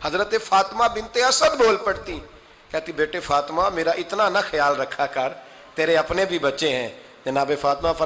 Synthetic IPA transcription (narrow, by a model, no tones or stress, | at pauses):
həzɾət̪eːfʰaːt̪mãːbɪnt̪eːəsəd̪boːlpəɽt̪iː | kɛːt̪iːbeːʈeːfʰaːt̪maːmeːɾaːʔɪt̪naːnaxʰəjaːlɾəkʰːaːkəɾ | t̪eːɾeːəpneːbʱiːbətːʃeːɦɛ̃ː | d͡ʒɪnãːbeːfʰaːt̪mãːpʰ